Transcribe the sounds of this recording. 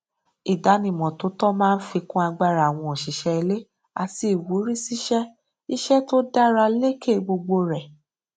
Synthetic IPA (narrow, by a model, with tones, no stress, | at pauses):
i˨da˨˦nĩ˨mɔ̃˨to˨˦tɔ˦mãː˦˧n̩˦fi˧kũ˦a˧ɡ͡ba˧ɾa˨w̃ɔ̃˧ɔ˨ʃi˨˦ʃɛ˧i˧le˦ | a̰˧ti˧˦i˨wu˨˦ɾi˦si˦ʃɛ˦ | i˦ʃɛ˦to˦da˦ɾa˧le˦ke˦˨ɡ͡bo˧ɡ͡bo˧ɾɛ˨